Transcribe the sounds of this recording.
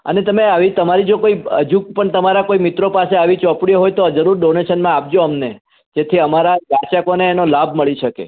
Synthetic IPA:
ə̰net̪əmeaʋit̪əmaɾid͡ʒokoiə̰d͡ʒuk̚pəɳt̪əmaɾakoimɪt̪ɾopaseaʋit͡ʃɔpɽiɦojt̪od͡ʒəɾuɾɖoneʃənmãap̚d͡ʒoəmne | d͡ʒet̪ʰiəmaɾabat͡ʃakoneːnolabʱməɭiʃəkḛ

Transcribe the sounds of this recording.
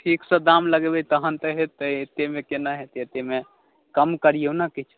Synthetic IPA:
ʈʰiksə̃d̪amləɡebɛt̪əɦənt̪əɦet̪ːəet̪emekenaɦet̪et̪eme | kəmkəɾijewnakit͡ʃʰ

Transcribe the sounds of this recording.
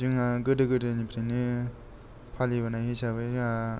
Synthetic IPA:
ɯŋaɡɯdɯɡɯdɯnipʰɾenɯ | pʰalibanajɦisaβɯja

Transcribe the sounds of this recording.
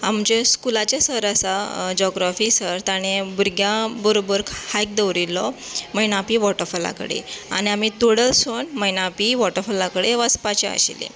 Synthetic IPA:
amd͡ʑeskulat͡ɕasəɾasad͡ʑɔɡɾafiːsəɾt̪aɽ̃ebuɾɡjãbəɾobəɾkhajk̚d̪əʋɾilːɔməjnapiʋɔʈəɾfəla̰kə̰ɽḛa̰ɽ̃iamit̪oɽəlsonməjnapiʋɔʈəɾfəlakəɽeʋəspat͡ɕeə̰ɕḭlḛ

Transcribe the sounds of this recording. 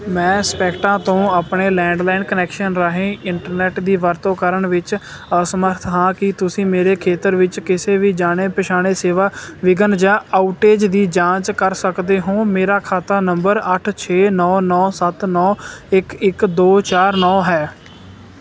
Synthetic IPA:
mɛ̃ːspɛːkʈãːt̪õːaːpɳeːlɛ̃ːɳɖlaːɪnkənɛːkʃənɾəɦẽːɪɳʈəɾnɛːʈd̪iːʋəɾt̪õːkəɾəɳʋɪt͡ʃ | əsəməɾt̪ʰɦãːkɪt̪ʊsĩːmeːɾeːkʰeːt̪əɾʋɪt͡ʃkɪseːʋiːd͡ʒaːɽ̃eːpəʃaːɽ̃eːseːʋaːʋɪɡənd͡ʒaːaːʊʈeːd͡ʒd̪iːd͡ʒãːt͡ʃkəɾsəkd̪eːɦõːmeːɾaːkʰaːt̪aːnəmbəɾəʈʰt͡ʃʰeːnɔːnɔːsət̪nɔːɪkɪkd̪oːt͡ʃaːɾnɔːɦɛː

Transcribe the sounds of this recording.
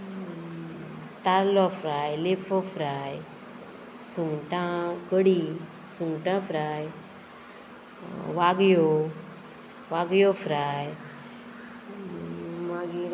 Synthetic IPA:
t̪aɾlɔfɾajlefɔfɾaj | suŋʈãkəɽi | suŋɡʈãfɾaj | ʋaɡjo | ʋaɡjofɾaj | maɡi

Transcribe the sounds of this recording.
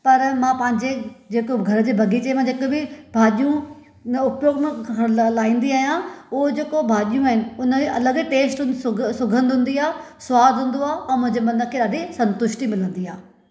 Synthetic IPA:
pɐɾmãːpɐ̃ɦɪ̃ɲd͡ʑed͡ʑeːkoɡʱɐɾəd͡ʑeːbʱɐɡʱit͡ɕemãd͡ʑeːkẽbɪbʱaːɗijũ | ʊpjoːɡmẽlaːĩːnd̪iaːɦijãʊɦod͡ʑeːkobʱaːɗijũaːɦɪnɪ̆ʊnəeʔɐləɡʈeːsʈʊ̃nsʊɡʱə̃nd̪ɦʊ̃nd̪iaːesʊwaːd̪ʱɦʊ̃ːnd̪oaːeʔɛ̃ːmʊ̃ɦɪ̃ɲd͡ʑemɐ̃nd̪əkʰːeːɗaːɖisɐ̃nt̪ʊʃʈimɪlə̃nd̪iaː

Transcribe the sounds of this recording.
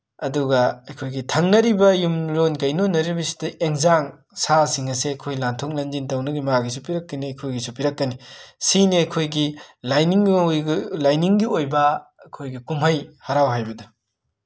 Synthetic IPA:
ɐduɡɐɐjkʰojɡitʰɐŋnɐɾibɐjumɾonkɐjnonːɐɾibɐsi̥dɐʔeŋzaŋ | sasiŋɐseɐkʰojlantʰok̚lɐnd͡ʒintɐwnɐɡimɐaɡis̬upiɾɐkːɐniɐjkʰojɡisupiɾɐkːɐnisiniɐkʰojɡilajniŋ | lajniŋɡiojbɐɐkʰojɡikumɦɐjhaɾawɦajbɐdɐ

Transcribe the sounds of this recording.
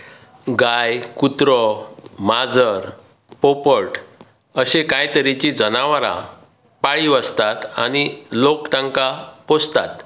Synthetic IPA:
ɡajkut̪ɾɔmad͡zəɾ | popəʈ | əɕekãjt̪əɾit͡ɕid͡zənaʋɾa̰ | paɭiʋəst̪at̪a̰ñilokʈ̪ãŋkapost̪at̪

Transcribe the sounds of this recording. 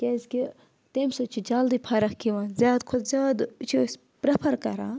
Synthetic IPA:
kʲeːzʲki | t̪emsot͡ʃʰid͡ʒaːld̪ipʰɐɾɐkkiʋãːnzʲjaːd̪kʰod̪zʲaːd̪t͡ʃʰis | pɾɐpʰɐɾkɐɾaː

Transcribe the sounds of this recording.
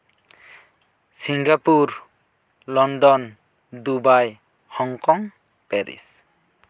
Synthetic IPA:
siŋɡapuɾ | lɔndɔn | dubaj | hɔŋkɔŋ | pɛɾḭs

